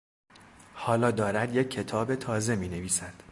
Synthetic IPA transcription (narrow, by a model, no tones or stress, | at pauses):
hɒːlɒːd̪ɒːɾæd̪je̞cʰːe̞t̪ʰɒːbe̞t̪ʰɒːze̞miːne̞viːsæd̪̥